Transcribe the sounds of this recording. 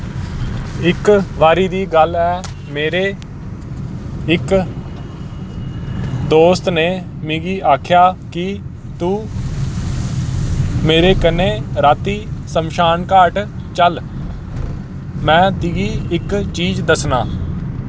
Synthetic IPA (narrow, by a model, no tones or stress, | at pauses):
ɪkʋaːɾiːd̪iːɡəlɛː | meːɾeː | ɪk | d̪oːst̪neː | mɪ̃ɡiːʔaːkʰjaːkɪ | t̪uː | meːɾeːkənːeːɾaːt̪iːsəmʃaːnkaːʈ | t͡ʃəl | mɛ̃ːt̪ɪɡiːɪkt͡ʃiːd͡ʒd̪əsnaː